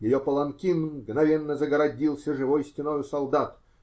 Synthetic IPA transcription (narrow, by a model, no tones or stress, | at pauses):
jɪjopəlˠɐmkʲinɡnɐvʲenːəzəɡəɾɐdʲilˠsʲəʐɨvojsʲtʲɪnojʊsɐlˠd̪at̪